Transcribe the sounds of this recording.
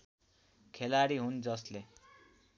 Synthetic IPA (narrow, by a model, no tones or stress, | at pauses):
kʰelaɽiɦund͡zʌsle